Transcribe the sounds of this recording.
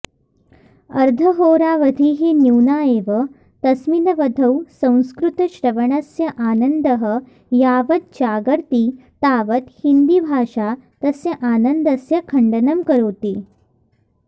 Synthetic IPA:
ɐɾd̪ʱɐɦoːɾaːʋɐd̪ʱiːɦinjuwnaːeːʋə | t̪ɐsminɐʋɐd̪ʱɐwsɐ̃w̃skɾut̪ɐʃɾɐʋɐɳɐsjɐʔaːnənd̪ɐɦə | jaːʋɐt̪̚t͡ɕaːɡɐɾt̪iː | t̪aːʋət̪hind̪ibʱaːʂat̪ɐsjɐʔaːnɐnd̪ɐsjɐkʰɐɳɖɐnɐmkɐɾoːt̪iː

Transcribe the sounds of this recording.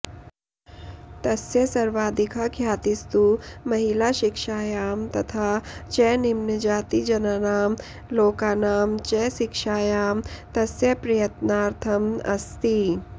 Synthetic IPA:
t̪ɐsjəsɐɾʋaːd̪ɪkʰakʰjaːt̪ɪst̪umɐɦilaʃɪkʃaːjaːmt̪ɐt̪ʰaːt͡ʃɛnɪmnəd͡ʒaːt̪id͡ʒɐnanaːm | loːkaːnaːmt͡ʃɛːʃɪkʃaːjaːmt̪ɐsjɐpɾɐjɐt̪naːɾt̪ʰɐmɐst̪i

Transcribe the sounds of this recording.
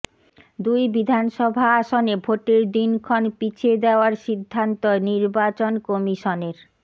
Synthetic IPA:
d̪ujbid̪ʱanʃɔbʱaaʃonebʱoʈeɾd̪inkʰɔnpit͡ɕʰed̪eoaɾʃid̪ʱːant̪oniɾbat͡ɕonkɔmiʃoneɾ

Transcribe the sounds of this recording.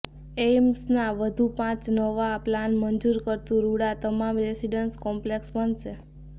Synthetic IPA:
emsnaʋəd̪ʱũpãt͡ʃnəʋaplanmənd͡ʒuɾkəɾt̪ũɾuɽat̪əmamɾesiɖənskɔmpleksbənʃʰe

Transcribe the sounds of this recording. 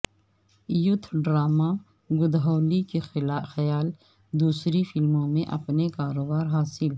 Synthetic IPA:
jʊt̪ʰɖɾaːma | ɡʊd̪ɦoːlikexɐjaːl | d̪uːsɾifɪlmõmẽʔɐ̰pnekaːɾoːbaːɾɦaːsɪl

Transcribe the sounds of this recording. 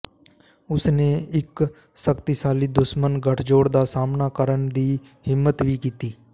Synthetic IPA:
ʊsneːɪk | səkt̪ɪsaːliːd̪ʊʃmənɡʱəʈʰd͡ʒoːɽd̪aːsaːmnaːkəɾənd̪iː | hɪmːət̪ʋiːkiːt̪iː

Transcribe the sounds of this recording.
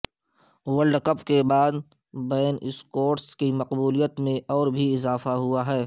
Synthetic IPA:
wəlɖkəpkebaːd̪ | bɛːnɪskoːʈskimɐqbuːlijət̪mẽʔɔːɾbʱiɪzaːfaɦʊaɦɛː

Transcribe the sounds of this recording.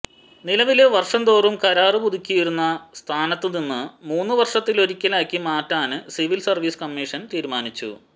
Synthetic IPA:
nilɐʋileʋɐrʂɐnd̪o̞ːrumkɐɾaːrɨbud̪ʱikʲːijiɾunːɐst̪ʰaːnɐt̪ːɨninːɨmuːnːɨʋɐrʂɐt̪ːiloɾikʲːɐlaːkʲːimaːtːaːnɨsiʋilsɐrʋiːskɐmːiːʂɐnt̪iːɾmaːnit͡ɕːṵ

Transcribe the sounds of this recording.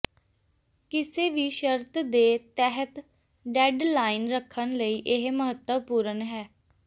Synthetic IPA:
kɪseːʋiːʃəɾt̪d̪eːt̪ɛɦət̪ | ɖɛːɖlaːɪnɾəkʰːənləiːʔɪɦməɦət̪wəpuːɾənɦɛː

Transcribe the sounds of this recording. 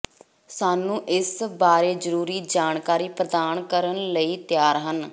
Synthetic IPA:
saːnũːʔɪsbaːɾeːzəɾuːɾiːd͡ʒaːɳkaːɾiːpɾəd̪aːnkəɾənləiːt̪jaːɾɦən

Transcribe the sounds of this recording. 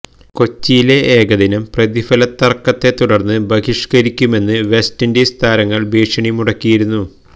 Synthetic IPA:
ko̞t͡ɕːijile̞ʔeːɡɐðinɐmprɐðifɐlɐt̪ːɐrkːɐt̪ːe̞t̪uɽɐrnːɨbɐɣiʂkɐɾikʲːume̞nːɨʋe̞stindest̪ʰaːɾɐŋːɐɭbiːʂɐɳimuɽɐkːijiɾunːu

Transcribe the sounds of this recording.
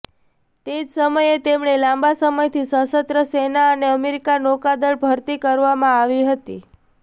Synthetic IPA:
t̪ed͡ʒsəməjet̪emɳelãmbasəməjt̪ʰisəsət̪ɾəsenaəneəmeɾikanokad̪əɭbʱəɾt̪ikəɾʋamãaʋiɦət̪i

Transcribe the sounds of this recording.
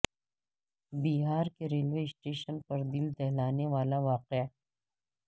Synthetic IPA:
biɦaːɾkeɾeːlʋeːsʈeːʃənpɐɾd̪ɪld̪ɛɦlaːneʋaːlaʋaːqea

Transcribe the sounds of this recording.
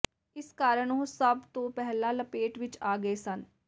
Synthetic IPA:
ɪskaːɾəɳosəbt̪õːpɛɦlaːləpeːʈʋɪt͡ʃaːɡəeːsən

